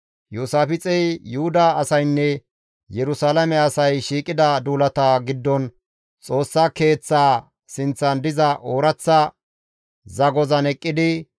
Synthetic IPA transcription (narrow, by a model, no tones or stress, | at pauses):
juːsaːfɪt͡sʼɛjjʊhʊd̪ɐːsɐjnːɛ | jɛɾʊsaːlɐmɛɐsɐjʃiːkʼɪd̪ɐd̪uːlɐt̪aːɡɪd̪ːɔn | t͡sʼo̞ːsːake̞ːt͡sːaː | sɪnt͡sːɐnd̪ɪzɐʔoːɾɐt͡sːɐ | zɐɡɔzɐnɛkʼːɪd̪ɪ